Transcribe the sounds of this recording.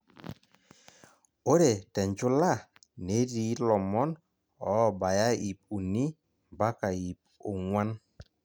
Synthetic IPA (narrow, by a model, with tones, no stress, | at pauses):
o˦ɾe˨tɛ˨ɲd͡ʒʊ˦la˦˨ | ne˨˦di˨˦lɔ˨mɔ˦n | ɔ˦˨ba˨ja˦i˨p̚u˨ni˦ | mba˦ka˨i˨p̚o˨ŋwa˦n